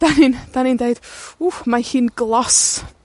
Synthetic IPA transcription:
d̥anind̥anindejd̥uhmahiːnɡlˠɔs

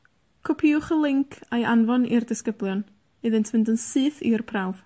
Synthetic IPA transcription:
kʰɔpʰiʊχəlˠɪŋkʰajʔanvɔnirdɪskəblˠjɔn | ɨðɨntʰmɪndənsɨːθḭrpʰrawv̥

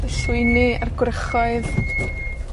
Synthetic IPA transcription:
əɬʊɨniarɡwrəχɔɨð

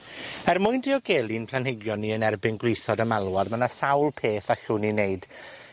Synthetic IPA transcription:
ɛrmʊɨndiɔɡeːlˠinpʰl̥anhɪɡjɔnːiənɛrbɪnɡlˠɪjθɔdəmalˠwadmanasawlˠpʰeːθaɬʊnineɨd̥

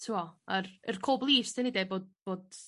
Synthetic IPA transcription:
tʰuɔarə̰rkʰoːblˠiːstʰɛnɪdɛboːd̚b̥oːd̥

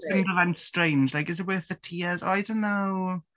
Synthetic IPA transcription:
ɪ̃ndəvãnstɹ̥ẽɪ̃nd͡ʒlajkɪzɪt̚wɜˑθðətʰiːəzo̰aɪdõʊ̃nːow

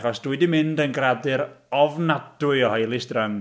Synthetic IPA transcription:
χɔsd̥widimɪndənɡradɨɾɔvnadʊɨɔhajlˠɪsdrəm

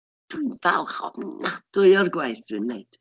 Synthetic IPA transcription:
d̥winvɛ̰lˠχɔ̰bnnad̥ʊɨɔrɡwajθd̥wɨnːejd̥

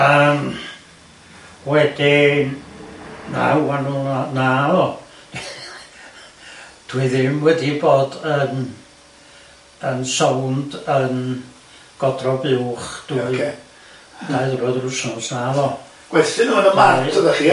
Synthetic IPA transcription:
əm | wɛdi | na̰anunanavɔ | d̥wɨðɪmwɛdiboːdən | ənsowndən | ɡ̥ɔdrɔbɪwχd̥uɨ | d̥ʰaɨðbɔðrʊsnɔsnavɔ | ɡ̥wɛθɪnunəmḁəðaχi

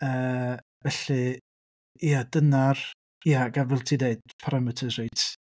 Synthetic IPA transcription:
əː | vɛɬɨ | jadənar | jaɡavɪlˠtʰideɨd̥̚pʰaɾamɛtʰəz̥ejtʰ

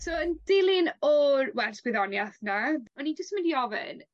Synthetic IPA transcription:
sɔənd̥ɪlˠɪnɔɾwɛrsb̥ɪðɔnjaθnaɔnid͡ʒəstmɪ̃ndiɔvɪ̰n

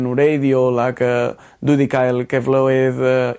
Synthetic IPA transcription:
nuɾejðiolakɐ | d̪uðikajlkɛvloeð

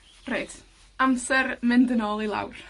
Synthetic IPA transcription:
reːd̥ | amsɛrmɪndənɔːlˠilˠa̰wr

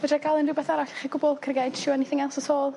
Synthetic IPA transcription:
vɛdakʰalˠɪnrɪbɛθaɾaɬḁχiɡʊbɔlˠkʰrɡad̥ʃʊaniθɪŋalˠsɔsʰoːlˠ

